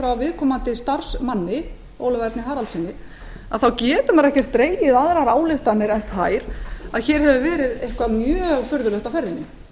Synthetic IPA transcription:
fɾawavɪðkʰɔːmant̪ɪst̪ar̥smanːɪ | o̰wlʏvaɾt̪nɪɦaːɾalt̪sɪnːɪ | aðθawcɛːpʏmaɾɛhcɛr̥t̪ːɾeːjjɪðaðɾaɾaːwlɪxt̪anːɪɾɛnθajɾ̥aðçɛːɾ̥hɛvʏvɛːɾɪðejhkvamjœːɣfʏɾðʏlœht̪awfɛɾðɪnːɪ̰

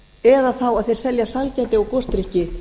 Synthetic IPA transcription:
ɛðaθawaðθejɾsɛljasalcɛːt̪ɪawkɔst̪ɾihcɪ

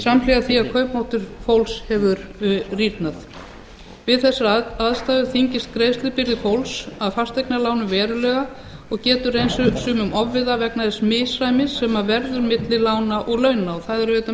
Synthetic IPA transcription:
samlɛɣaθiaðkʰœɥpmɔht̪ʏɾ̥fowlshɛvʏɾrit̪nað | vɪðθɛsːaaðst̪aːðʏθiɲcɪst̪kɾeːjst̪lɪpɪɾðɪfowlsaðfast̪ejknalaːwnʏvɛːɾʏlɛɣa | ɔɣcɛːt̪ʏrejnsʏsʏːmʏmɔvːɪðavɛknaðɪsmɪsajmɪsɛmavɛɾðʏɾmɪt̪lɪlaːwnaʔɔɣlœːɥnaɔθaðɛɾœt̪a

